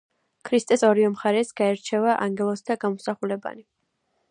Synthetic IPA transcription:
kʰɾist̪ʼɛsɔɾiɔmχaɾɛsɡ̥aɛɾt͡ʃʰɛvaʔaŋɡɛlˠɔsd̪aɡamɔsaχulɛba̰ni

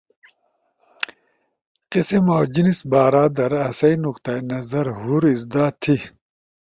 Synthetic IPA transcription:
qisimoːd͡ʑinisbaːɾaːd̪ɐɾɐsɐinuqt̪ɐjnɐzɐɾɦuɾizd̪aːt̪ʰi

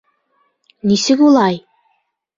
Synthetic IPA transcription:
nisɘkulˠɑj

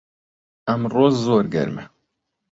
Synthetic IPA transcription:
ɐmroːzzoːɾɡɛ̰ɾmɛ̰

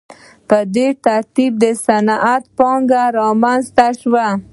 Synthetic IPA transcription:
pəd̪eʈ̪aɾt̪ib̚d̪əsanʔat̪pɑŋɡaɾɑmanzt̪aʃwa

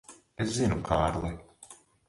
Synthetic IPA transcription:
eszinukʰaːɾlˠɛ

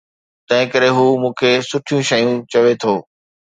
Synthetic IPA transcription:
t̪ɐ̃ɦɪ̃kɐɾeɦuːmũːkʰesʊʈʰijũʃɐjũt͡ɕɐʋet̪ʰoː

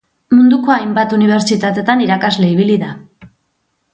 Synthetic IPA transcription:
mund̪ukoajmbat̪uniβ̞eɾt͡ʃit̪at̪e̞t̪aniɾakazle̞iβ̞iliða

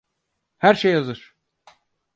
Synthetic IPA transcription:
hæɾʃejːazɯɾ̥

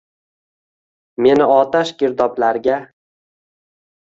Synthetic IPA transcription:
me̞nɪɒt̪aʃɡʲɪɾd̪ɒplaɾɡʲa

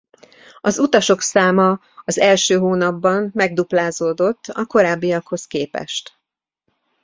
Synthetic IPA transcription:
ɒzut̪ɒʃo̞ksaːmɒ | ɒzɛlʃøːɦoːnɒbːɒmmɛɡ̚d̪uplaːzoːd̪o̞t̪ːɒko̞ɾaːbːijɒkho̞skeːpɛ̰ʃt̪

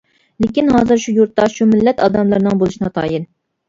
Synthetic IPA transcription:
lekʲinɦɑːzɨɾʃujuɾt̪ːɑʃumɪlːɛt̪ɑd̪ɑmlˠɨɾnɨŋbolˠɨʃinɨt̪ʰɑ̰ːjin

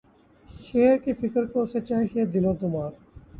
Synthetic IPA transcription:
ʃeːɾkifɪkɾkoset͡ʃaːɦed̪ɪlõːt̪umaːɾ

